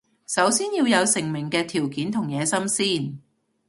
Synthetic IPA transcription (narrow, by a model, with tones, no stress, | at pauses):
sɐ˨˥wsiː˥njiː˧wjɐ˨˧wsɪ˨˩ŋmɪ˨˩ŋkɛː˧t̪ʰiː˨˩wkiː˨˥nt̪ʰʊ˨˩ŋjɛː˨˧sɐ˥msiː˥˩n